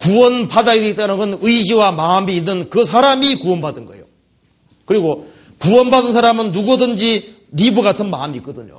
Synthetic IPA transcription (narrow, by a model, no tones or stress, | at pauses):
kuwʌnpadaidit͈anɯɡɯnɯid͡ʑiwamaːmiːnːɯnkɯsʰaɾamikuwʌnbadɯnɡʌ̰ejo̰ | kɯɾiɡo | kuwʌnbadɯnsʰaɾamɯnːuɡudɯnd͡ʑi | ɾibuɡatʰɯnma̰ːmik͈ʌdɯɲo̰